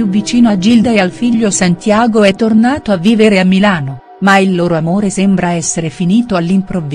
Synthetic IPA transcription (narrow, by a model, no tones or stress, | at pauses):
juvːit͡ʃiːnoad͡ʒild̪aealfiʎːosant̪jaːɡoɛt̪ːornaːt̪oavːiːveɾeamːilaːno | mailːoːɾoamoːɾesembɾaɛsːeɾefiniːt̪oalːimpɾovː